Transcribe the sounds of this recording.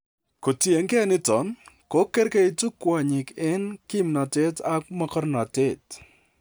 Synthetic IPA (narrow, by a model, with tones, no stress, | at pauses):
ko˨tje˨ŋkɛ˦nɪ˦tɔ˨˦nko˦kɛ˦ɾkɛ˦ɪ˦tu˦kwɔ˨ɲɪ˨kɪ˦nkɪ˦mna˨te˦ta˦k̚mɔ˦kɔ˦ɾnɔ˨tɪ˦t